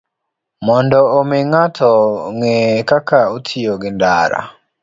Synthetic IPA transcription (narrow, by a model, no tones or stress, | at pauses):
mɔndɔomeŋatʰɔŋekakaotʰijoɡɪndaɾa̰